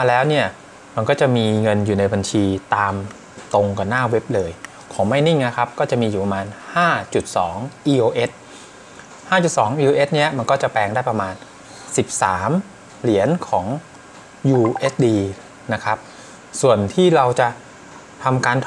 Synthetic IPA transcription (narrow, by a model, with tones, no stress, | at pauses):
ma˧lɛː˦˥wni˥˩ɐ | ma˧nkɔː˥˩t͡ɕa˨˩miː˧ŋɤ˧njuː˨˩na˧jba˧nt͡ɕʰiː˧t̪aː˧m | t̪o˧ŋka˨˧˩nːaː˥˩we˦˥p̚lɤː˧j | kʰɔː˩˦ma˥˩jni˥˩ŋna˦˥kʰa˦˥p̚kɔː˥˩t͡ɕa˨˩ʔmiː˧juː˨˩pa˧maː˧nhaː˥˩t͡ɕu˨˩t̪̚sɔ̰ː˩˦ŋʔiː˧ʔoː˧ʔe˦˥t̪̚ | haː˥˩t͡ɕu˨˩t̪̚sɔː˩˦ŋʔiː˧ʔoː˧ʔe˦˥t̪̚ni˦˥ɐma˧nkɔː˥˩t͡ɕa˨˩pɛː˧ŋdaː˥˩jpɾa˧maː˧n | si˨˩p̚saː˩˦m | li˩˦ənkʰɔː˩˦ŋ | juː˧ʔe˦˥t̪̚diː˧ | na˦˥kʰa˦˥p̚ | su˨˩ənt̪ʰiː˥˩ɾa˧wt͡ɕa˨˩ | t̪ʰa˧mkaː˧nt̪ʰ